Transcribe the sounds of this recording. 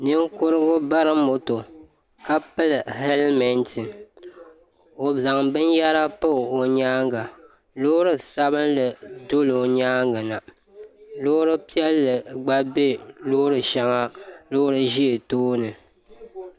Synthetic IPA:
nɨ˦ŋkʊ˦ɾɨ˦ɡʊ˦ba˦ɾɨ˦mo˨to˨ | ka˦pɨ˦lɨ˨hɛ˦lmɛ˨ntɨ˨ | o˨za˨ŋbɨ˦nja˦ɾa˦pɨ˦˨o˨ɲaː˦ŋɡa˨ | lʊ˦ʊ˦ɾɨ˨sa˦βɨ˦nlɨ˨do˦lɨ˨o˨ɲaː˦ŋɡɨ˨na˨ | lʊ˦ɾɨ˦pi˦ɛ˦lːɨ˨ɡ͡ba˦be˦lʊ˦ɾɨ˨ʃa˦ŋa˦lʊ˦ɾɨ˦ʒi˦e˨toː˦nɨ˨

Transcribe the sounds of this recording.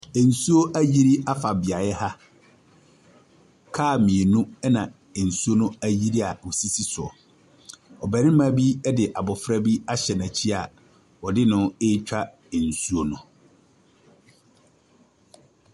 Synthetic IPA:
ɛ˨n̩˨su˦o˦ʔæ˦ji˦ɾi˦a˦fa˨bɪ˨a˨jɛ˦ha˦ | kʰaː˦˨mĩ˨e˨nũ˦ɛ˦nã˨ | ɛ˨n̩˨su˦o˦nʊ̃˦æ˦ji˦ɾi˦a˨wo˨si˦si˦sʊ˨ɔ˨ | ɔ˨bɛ˨nɪ̃˦mã˦bi˦ɛ˦dɪ˨ʔa˨bɔ˨fɾa˦bi˦a˦ɕɛ˨nã˨t͡ɕʰi˦a˨ | wɔ˨dɪ˦nʊ̃˦ɪ˦t͡ɕᶣa˦ | ɛ˨n̩˨su˦o˦nʊ̃˦

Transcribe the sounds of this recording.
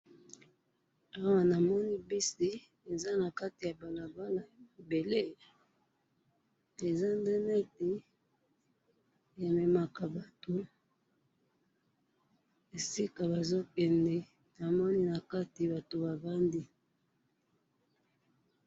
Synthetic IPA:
a˦wa˨na˨mɔ˦ni˦bi˦si˦ | e˨za˦na˨ka˦ti˨ja˨ba˨la˨ba˦la˨jbe˨le˦ | e˨za˦nde˦nɛ˦te˨ | ja˨me˨ma˨ka˨ba˨to˨ | e˨si˦ka˨ba˨zo˦kɛ˨ndɛ˨˦ | na˨mɔ˦ni˦na˨ka˦ti˨ba˨to˨ba˨ba˦ndi˦

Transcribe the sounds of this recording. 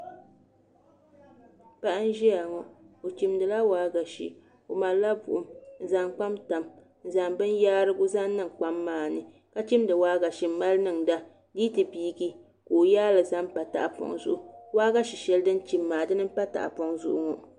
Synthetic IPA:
pa˦ʔa˦n˦ʒi˦ja˨ŋɔ˦o˨t͡ʃi˨mdɨ˨la˦waː˦ɡa˨ʃḭ˨ | o˨ma˨lla˦bʊ̰˨ʔʊ˨mn̩˨za˨ŋk͡pa˦mta˨m | n̩˨za˨ŋbɨ˦njaː˦ɾɨ˦ɡʊ˦za˦n˦nɨ˦˨ŋk͡pa˦mːaː˦˨nɨ˨ | ka˦t͡ʃi˦mdɨ˨waː˦ɡa˨ʃi˨m˦ma˦lnɨ˦˨ŋda˦ | diː˦tɨ˨biː˦ɡi˦ | ko˨o˨jaː˦lɨ˨za˦mpa˨ta̰˨ʔa˨pɔ̰˨ŋzʊ̰˦ʔʊ˨waː˦ɡa˦ʃi˨ʃɛ˦ldɨ˦n˦t͡ʃi˦mːaː˨dɨ˦nɨ˦m˦pa˦ta̰˨ʔa̰˨pɔ˨ŋzʊ̰˦˨ʔʊ̰˦ŋɔ˨

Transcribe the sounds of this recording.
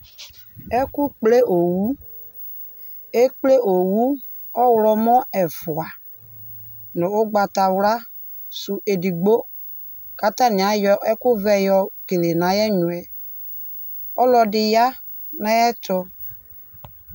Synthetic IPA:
ɛ˦kʊ˦k͡ple˦ʔo˨wu˦ | e˦k͡ple˦ʔo˨wu˦ | ɔ˦wlɔ˦mɔ˦ɛ˨fʊ˨a˨ | nʊ˨ʊ˦ɡ͡ba˨ta˨wla˦ | sʊ˨ʔe˨di˨ɡ͡bo˦ | ka˦ta˦nɪ˨a˨˦jɔ˦ɛ˦kʊ˦vɛ˦jɔ˨ke˨le˨na˨jɛ˦ɲu˨ɛ˨ | ɔ˦lɔ˨dɪ˨ja˦ | na˦jɛ˦tʊ˦

